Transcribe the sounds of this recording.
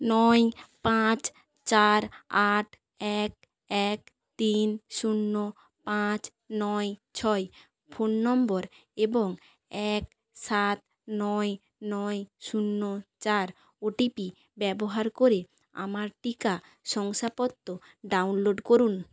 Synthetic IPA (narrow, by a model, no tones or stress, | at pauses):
nɔjpãt͡ɕ | t͡ɕaɾaʈʰ | ɛk̚ | ɛk | t̪inʃunːo | pãt͡ɕ | nɔjt͡ɕʰɔj | fʰonːɔmboɾ | eboŋ | ɛk | sat̪ | nɔj | nɔjʃunːot͡ɕaɾ | oʈipi | bɛboɦaɾkoɾe | a̰maɾʈika | ʃɔŋʃapɔt̪ːo | ɖawnloɖkoɾun